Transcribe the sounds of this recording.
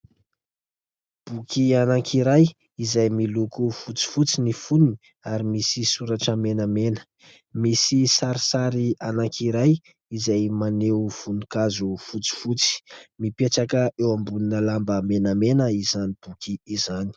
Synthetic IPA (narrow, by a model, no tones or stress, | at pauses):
b̥ukianaŋkʰiɾaj | izajmilukufut͡si̥fut͡sinifununi | aɾimisisuɾaʈ͡ʂəmenamenə̥ | misisaɾisaɾianaŋkʰiɾaj | izajmaneufunikazufut͡si̥fut͡si̥mipeʈ͡ʂakəʔewambuninəlambəmenamenəizanib̥ukʰiizani̥